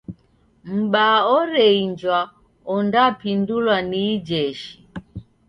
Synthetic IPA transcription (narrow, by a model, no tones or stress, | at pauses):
m̩ɓaɔɾɛiɲd͡ʒwa | ɔndapindulwaniːd͡ʒɛʃi